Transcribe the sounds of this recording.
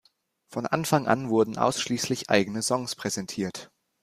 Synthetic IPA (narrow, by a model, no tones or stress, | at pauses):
fɔnʔanfaŋʔa̰nvʊɐdn̩ʔa̰ʊsʃliːslɪçʔa̰ɪɡənəzɔŋspʁ̥ɛzɛntʰiːɐt